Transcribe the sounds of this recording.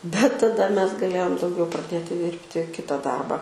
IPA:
bʲɛt tɐˈdɐ ˈmʲɛs ɡɐˈlʲeːjoːm dɐʊˈɡʲɛʊ prɐˈdʲeːtʲɪ ˈdʲɪrʲpʲtʲɪ ˈkʲɪtɐ ˈdɐrbɐ

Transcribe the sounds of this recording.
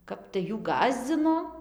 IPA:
ˈkɐp tɐɪ ˈjuː ˈɡɑːzʲd͡zʲɪnoː

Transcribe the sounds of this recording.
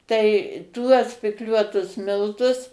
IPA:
ˈtɐɪ ˈtuɔs pʲɪkˈlʲuɔtʊs ˈmʲɪlˠtʊs

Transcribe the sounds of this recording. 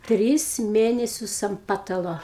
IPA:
ˈtʲrʲɪs ˈmʲeːnʲɛsʲʊs ɐm ˈpɑːtɐlˠoː

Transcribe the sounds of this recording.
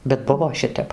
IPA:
bʲɛt ˈbʊʋoː ˈʃʲɪtʲɛp

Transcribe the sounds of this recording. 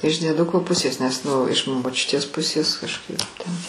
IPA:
ɪʃ dʲiɛˈdʊkoː ˈpʊsʲeːs nʲɛs ˈnʊ ɪʃ moːˈt͡ʃʲʊtʲeːs ˈpʊsʲeːs kɐʃˈkɐɪp tʲɛn

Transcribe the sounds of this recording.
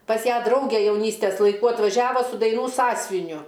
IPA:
pɐs ˈjæː ˈdrɐʊɡʲeː jɛʊˈnʲiːsʲtʲɛs lˠɐɪˈkuː ɐtʋɐˈʒʲæːʋoː sʊ dɐɪˈnuː ˈsɑːsʲʋʲɪnʲʊ

